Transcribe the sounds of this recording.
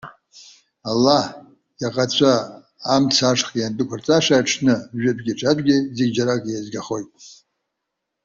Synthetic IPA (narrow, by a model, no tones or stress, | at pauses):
alːah | jaqʼat͡ɕʷʰaː | mt͡sʰaʂχijantʼɨkʷʰart͡sʼaʂaːʈ͡ʂʰnɨʒᶣɪtʼɡʲiʈ͡ʂʰʼatʼɡʲɪzeɡʲd͡ʒaɾakʼjazɡaχo̞jtʼ